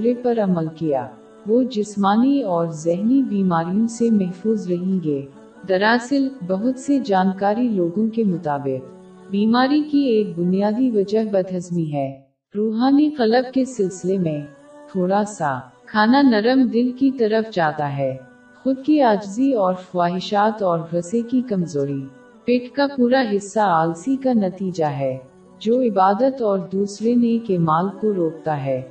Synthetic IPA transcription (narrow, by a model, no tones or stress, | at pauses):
ɾepɐɾɐməlkija̰ː | ʋoːd͡ʒɪsmaːniɔːɾzɛɦnibiːmaːɾijõsemɛɦfuːzɾɐɦẽŋɡe | d̪ɐɾaːsɪlbɐɦʊt̪sed͡ʒaːnkaːɾiloːɡõkemʊt̪aːbɪq | biːmaːɾikieːk̚bʊnijaːd̪iʋɐd͡ʒəɦbɐd̪ɦɐzmiɦɛː | ɾuːɦaːniqɐləb̚kesɪlsɪlemẽ | t̪ʰoːɾaːsa̰kʰaːnanɐɾəmd̪ɪnkit̪ɐɾəfd͡ʒaːt̪aɦɛː | xʊd̪̚kiaːd͡ʒziɔːɾxʊwaːɦɪʃaːt̪ɔːɾɾɐsekikɐmzoːɾi | pɪʈkapuːɾaɦɪsːaaːlsikanɐt̪iːd͡ʒaɦɛː | d͡ʒoːɪbaːd̪ət̪ɔːɾd̪uːsɾenekeːmaːlkoɾoːk̚t̪aɦɛː